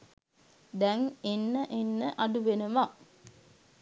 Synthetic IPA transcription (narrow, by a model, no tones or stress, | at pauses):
d̪ɛŋenːəʔenːəʔɐɖuʋenəʋa